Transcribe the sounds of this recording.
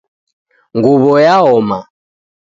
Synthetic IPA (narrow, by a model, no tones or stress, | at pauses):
ŋɡuβɔjaɔma